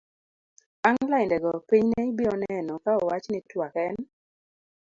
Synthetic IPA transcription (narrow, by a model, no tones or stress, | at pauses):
aŋlaɪndɛɡɔpiɲnɛibɪɔnɛnɔkaɔwat͡ʃnɪtwakɛn